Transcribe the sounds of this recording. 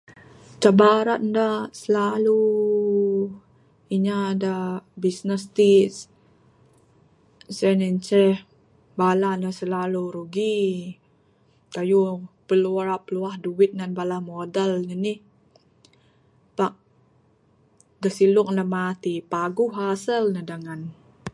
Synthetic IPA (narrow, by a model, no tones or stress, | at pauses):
t͡ʃabaɾat̪̚ndasəlalu | iɲadabisnəst̪is | sɛnənt͡ʃɛh | balanəsəlaluɾuɡi | tajupəluaɾapəluahduwit̪̚ŋanbalamodəlnənih | paʔ̚ | dəsilʊk̚nəmat̪ipaɡuɦasəlnədaŋan